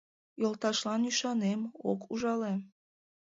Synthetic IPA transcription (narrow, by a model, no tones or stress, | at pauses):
jolt̪ɑʃlɑnyʃɑnemo̰kʰuʒɑle